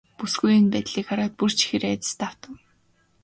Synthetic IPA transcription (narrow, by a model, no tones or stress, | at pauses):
pusɡujɪ̆npæːt̪ɮiːkχaɾaːt̪̚pur̥t͡ɕʰi̥xeɾæːt̪ɪ̥̆st̪aw̥t̪ə̆w